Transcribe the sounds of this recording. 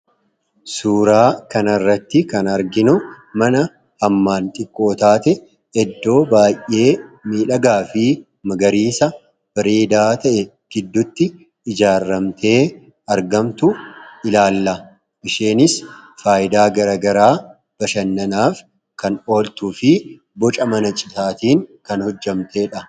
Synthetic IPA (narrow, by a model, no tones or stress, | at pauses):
suːɾaːkɐnɐrːɐt̪ːɪkɐnɐɾɡɪnʊ | mɐnɐ | hɐmːaːnt̪ʼɪkʼːo̞ːt̪aːt̪ɛ | ɛd̪ːo̞ːbaːjːe̞ːmiːᶑɐɡaːfɪ | mɐɡɐɾiːsɐ | b̥ɐɾeːd̪aːt̪ɐʔɛ | ɡ̥ɪd̪ːʊt̪ːɪː | d͡ʒaːrːɐmt̪ʰe̞ː | ɐɾɡɐmt̪ʊʔɪlaːlːɐ | ʔɪʃeːnɪsfaːjɪd̪aːɡɐɾɐɡɐɾaː | b̥ɐʃɐnːɐnaːf | kɐno̞ːlt̪ufɪ | bɔt͡ʃʼɐmɐnɐt͡ʃʼɪt̪aːt̪iːŋkɐnhɔd͡ʒːɐmt̪e̞ːᶑɐ